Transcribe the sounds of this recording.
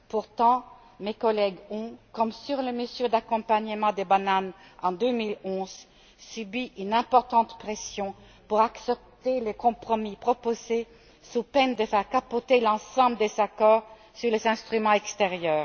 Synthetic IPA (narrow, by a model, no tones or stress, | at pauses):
puʁt̪ɑ̃ | mekɔlɛɡɔ̃kɔmsyʁləməzyd̪akɔ̃paɲəmɑ̃d̪ebananɑ̃d̪ømilɔ̃z | sybiʔynɛ̃pɔʁt̪ɑ̃t̪pχɛsjɔ̃ | puʁaksɛp̚t̪elekɔ̃pχɔmipχɔpoze | supɛnd̪əfɛʁkapot̪elɑ̃sɑ̃bləd̪ezakɔːʁ | syʁlezɛ̃st̪χymɑ̃ɛkst̪eʁjœːʁ